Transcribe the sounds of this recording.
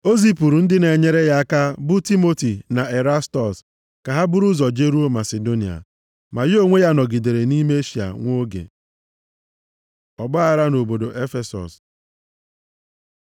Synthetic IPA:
o˦zi˦pu˨ɾu˨n̩˦dɪ˦ne˨ɲe˦ɾe˦ja˦ka˦bʊ˦ti˦mo˦ti˨na˨e˨ɾa˦stɔ˨s | ka˨ɦa˦bʊ˦ɾu˦zɔ˨d͡ʒe˦ɾu˦o˦ma˨se˨do˦ni˨a̰˨ | ma˨jo˦ŋʷe˦ja˦nɔ˨ɡi˨de˨ɾe˨ni˦me˦e˦ʃi˨a̰˨ŋʷo˦ɡḛ˨ | ɔ˨ɡ͡ba˦a˨ɾa˦no˨bo˨do˨ʔe˦fe˨sɔ̰˨s

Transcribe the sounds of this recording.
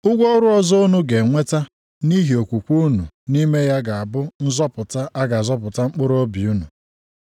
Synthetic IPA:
ʊ˦ɡʷɔ˦ɾʊ˦ɔ˦zɔ˦ʊ˦nu˦ɡe˨ŋʷe˦ta˦ | ni˦ɦi˨o˨kʷu˨kʷu˦nṵ˨ni˦me˦ja˦ɡa˨a˨bʊ˦n̩˦zɔ˦pʊ˨ta˦ʔa˦ɡa˨zɔ˦pʊ˨ta˦ŋ͡m̩˦k͡pʊ˦ɾo˦bi˨u˦nu˨

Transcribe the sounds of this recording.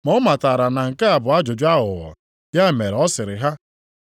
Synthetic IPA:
mɔ˦ma˨ta˨ɾa˨na˨ŋ̩˨ka˦a˨bʊ˨a˦d͡ʒʊ˨d͡ʒʊ˦a˦ɦʊ˨ɣɔ̰˨ | dja˦˨me˨ɾɔ˦sɪ˨ɾɪ˨ɦa˦

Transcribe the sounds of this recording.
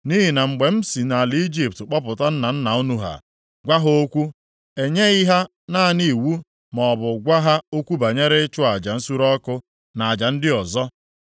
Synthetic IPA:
ni˦ɦi˨na˨ŋ͡m̩˨ɡ͡be˨m̩˦si˨na˨li˦d͡ʒi˨p̚tk͡pɔ˦pʊ˨ta˦n̩˦na˨n̩˦na˨o˦nu˦ɦa̰˨ | ɡʷa˦ɦo˦kʷu˦ | e˨ɲe˦i˦ɦa˦ | na˦a˨ni˨wu˦ | mɔ˨bʊ˨ɡʷa˦ɦa˦o˦kʷu˦ba˨ɲe˦ɾe˦t͡ʃʊ˦a˨d͡ʒa˨n̩˦su˦ɾɔ˦kʊ˦ | na˨a˨d͡ʒa˨n̩˦dɪ˦ɔ˨zɔ˦

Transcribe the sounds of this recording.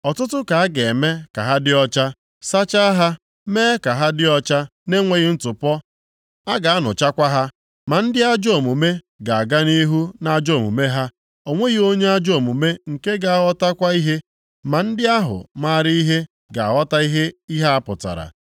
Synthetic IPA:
ɔ˨tʊ˦tʊ˦ka˨a˦ɡe˨e˨me˦ka̰˨ɦa˦dɪ˦ɔ˦t͡ʃa˦ | sa˦t͡ʃa˦ɦa˦ | meː˦ka˨ɦa˦dɪ˦ɔ˦t͡ʃa˦ne˦ŋʷe˦ɣi˦n̩˦tʊ˨pɔ˦ | a˦ɡa˨a˦nʊ̰˨t͡ʃa˦kʷa˦ɦa˦ | ma˨n̩˦dɪ˦a˦d͡ʒo˦˨mu˨me˦ | ɡa˨a˨ɡa˦ni˦ɦu˦na˦d͡ʒo˦˨mṵ˨me˦ɦa˦ | o˨ŋʷe˦ɣi˦o˦ɲe˦a˦d͡ʒo˦˨mu˨me˦ŋ̩˨ke˦ɡa˨a˦˨ɣɔ˦ta˦kʷa˦i˦ɦe˦ | ma˨n̩˦dɪ˦a˦ɦʊ̰˨ma˦ɾi˦i˦ɦe˦ | ɡa˨a̰˨ɣɔ˦ta˦i˦ɦe˦i˦ɦa˦a˦pʊ̰˨ta̰˨ɾa̰˨

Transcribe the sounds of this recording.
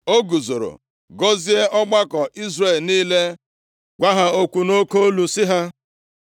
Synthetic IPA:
o˦ɡu˨zo˨ɾo̰˨ | ɡo˦zi˦e˦ʔɔ˦ɡ͡ba˦kɔ˨ʔi˦zre˨lniː˦le˦ | ɡʷa˦ɦa˦o˦kʷu˨no˦ko˦lu˨sɪ˦ɦa˦

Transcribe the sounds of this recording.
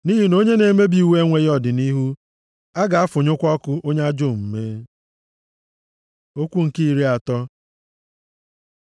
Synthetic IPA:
ni˦ɦi˦no˦ɲe˦ne˨˦me˦bi˨i˨we˦ŋʷe˦jɔ˦˨dɪ˨ni˦ɦu˦ | a˦ɡa˨a˦fʊ˨ɲʊ˦kʷɔ˦kʊ˦ʔo˦ɲe˦a˦d͡ʒo˦˨m̩˨me˦ | o˦kʷu˦ŋ̩˨ki˦i˨ɾi˦a˨tɔ˦

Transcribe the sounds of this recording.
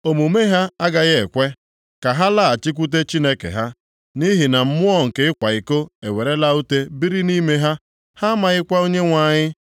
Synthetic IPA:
o˨mu˨me˦ɦa˦a˦ɡa˨ɣɪ˦e˨kʷe˦ | ka˨ɦa˦la˦a˨t͡ʃi˦k̬ʷu˦t̬e˦t͡ʃi˦ne˦kḛ˨ɦa˦ | ni˦ɦi˨na˨m̩˦mʊ˦ɔ˦ŋ̩˨ke˨ɪ˦kʷa˨i˨ko˦e˨we˨ɾe˦la˦u˦te˦bi˦ɾi˦ni˦me˦ɦa˦ | ha˦ma˨ɣɪ˦kʷa˦o˦ɲe˦ŋʷa˨ɲɪ˦

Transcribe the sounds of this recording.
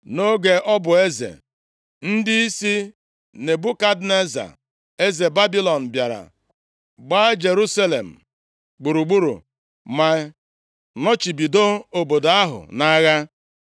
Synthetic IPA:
no˦ɡe˨ʔɔ˦bʊ˨e˦zḛ˨ | n̩˦dɪ˦i˦si˦ | ne˨bʊ˦ka˦dne˦za̰˨ | e˦ze˨ba˦bi˦lɔ˨n̩˨bja˨ɾa̰˨ | ɡ͡baː˦d͡ʒe˨ɾu˦sa˦lḛ˨m̩˨ | ɡ͡bu˨ɾu˨ɡ͡bu˦ɾṵ˨ | ma˨ | nɔ˦t͡ʃi˨bi˨do˦o˨bo˨da˦ɦʊ̰˨na˦ɣa˦

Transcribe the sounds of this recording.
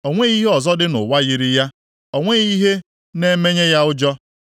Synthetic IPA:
o˨ŋʷe˦i˦ɦe˦ɔ˨zɔ˦dɪ˦nʊ̰˨wa˦ɣi˨ɾi˦ja˦ | o˨ŋʷe˦i˦ɦe˦ | ne˦me˦ɲe˦ja˦ʊ˦d͡ʒɔ˦

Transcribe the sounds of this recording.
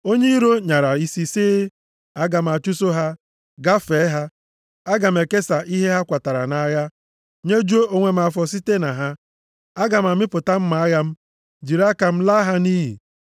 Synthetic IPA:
o˦ɲe˦i˦ɾo˦ɲa˨ɾa˨i˦si˨siː˦ | a˦ɡa˨m̩˨a˨t͡ʃu˦so˦ɦa˦ | ɡa˦fe˨˦ɦa˦ | a˦ɡa˨m̩˨e˨ke˦sa˨ʔi˦ɦe˦ɦa˦kʷa˨ta˨ɾa̰˨na˨˦ja˦ | ɲe˦d͡ʒu˦o˦ʔo˦ŋʷe˨m̩˦a˨fɔ˨s̬i˦te˦na˨ɦa˦ | a˦ɡa˨m̩˨a˨mɪ˦pʊ˨ta˦m̩˦ma˨a˦ja˦m̩˦ | d͡ʒi˨ɾa˦ka˨m̩˦la˦ɦa˦ni˦ɦḭ˨

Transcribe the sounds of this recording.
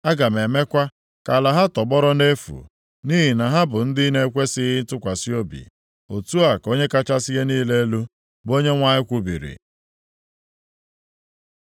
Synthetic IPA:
a˦ɡa˨me˨me˦kʷa˦ | ka˨la˨ɦa˦tɔ˨ɡ͡bɔ˦ɾɔ˦ne˦fṵ˨ | ni˦ɦi˨na˨ɦa˦bʊ˨n̩˦dɪ˦ne˦kʷe˦sɪ˦ɦɪ˦n̩˦tʊ˦kʷa˨si˦o˦bḭ˨ | o˨tu˦a˨ko˦ɲe˦ka˦t͡ʃa˦sɪ˦ɣe˦niː˦le˦lu˦ | bo˦ɲe˦ŋʷa˦ɲɪ˦kʷu˦bḭ˨ɾḭ˨

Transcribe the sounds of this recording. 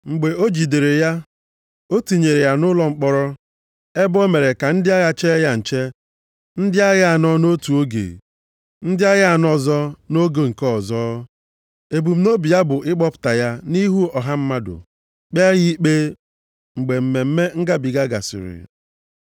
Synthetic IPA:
ŋ͡m̩˨ɡ͡be˨o˦d͡ʒi˨de˨ɾe˨ja˦ | o˦ti˨ɲe˨ɾe˨ja˨nʊ˦lɔ˦ŋ͡m̩˦k͡pɔ˦ɾɔ˦ | e˦bo˦me˨ɾe˨ka˨n̩˦dɪ˦a˦ɣa˦t͡ʃe˦ɣa˦n̩˨t͡ʃe˦ | n̩˦dɪ˦a˦ɣa˦a˨nɔ˦no˦tu˨o˦ɡḛ˨ | n̩˦dɪ˦a˦ɣa˦a˨nɔ˨zɔ˦no˦ɡo˨ŋ̩˨kɔ˦ɔ˨zɔː˦ | e˨bu˨m̩˦no˦bi˨ja˦bʊ˨ʔɪ˦k͡pɔ˦pʊ̥˨ta˨ja˦ni˦ɦu˦ɔ˨ɦa˦m̩˦ma˦dʊ̰˨ | k͡pa˦ɣi˦k͡pe˦ | ŋ͡m̩˨ɡ͡be˨m̩˨me˨m̩˦me˦ŋ̩˦ɡa˦bi˨ɡa˦ɡa̰˨sɪ̰˨ɾɪ̰˨

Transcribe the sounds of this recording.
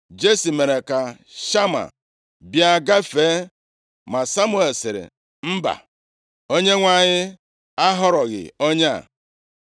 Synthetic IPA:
d͡ʒe˦si˨me˨ɾe˨ka˨ | ʃa˦ma̰˨ | bja˦ɡa˦feː˨˦ | ma˨sa˦mʊ˦e˨lsɪ˨ɾɪ̰˨ | m̩˦ba̰˨ | o˦ɲe˦ŋʷa˦˨ɲɪ˦ | a˦ɦɔ˦ɾɔ˨ɣɪ̰˨o˦ɲe˦a̰˨

